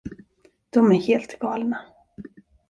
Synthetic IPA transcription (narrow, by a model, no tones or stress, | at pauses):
d̪̥ɔmæɾheːlt̪ɡɑːlna